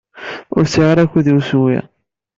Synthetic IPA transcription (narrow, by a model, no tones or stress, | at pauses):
ʊ̰ɾsiʁaɾækːuðiwswḭ